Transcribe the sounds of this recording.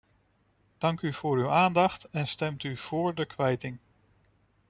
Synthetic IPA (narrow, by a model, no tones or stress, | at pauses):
d̥ɑŋkyv̥ʊːɾywaːndɑχtɛnstɛmtyv̥oːɹdəkʋɛjtɪŋ